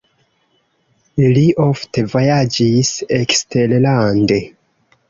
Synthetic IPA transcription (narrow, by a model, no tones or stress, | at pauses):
liʔofte̞vo̞jad͡ʒisekste̞llande̞